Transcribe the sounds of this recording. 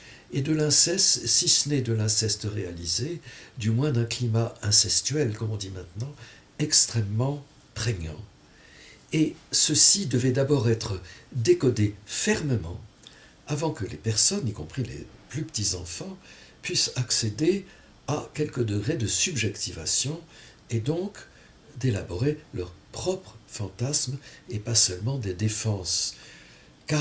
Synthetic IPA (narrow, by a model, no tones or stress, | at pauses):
ed̪əlɛ̃sɛst̪sisənɛd̪əlɛ̃sɛst̪əʁealized̪ymwɛ̃d̪ɛ̃klimaɛ̃sɛst̪ɥɛlkɔmɔ̃d̪imɛ̃t̪nɑ̃ | ɛkst̪χɛmːɑ̃ | pχɛɲɑ̰̃ | esəsid̪əvɛd̪abɔʁɛt̪χəd̪ekɔd̪efɛʁməmɑ̃ | avɑ̃kəlepɛʁsɔnikɔ̃pχilḛplypə̥t̪izɑ̃fɑ̃pɥisaksed̪e | akʲɛlkəd̪əɡʁed̪əsybʒɛkt̪ivasjɔ̃ | ed̪ɔ̃k | d̪elabɔʁelœʁpχɔpχəfɑ̃t̪asmepasœlmɑ̃d̪ed̪efɑ̃s | ka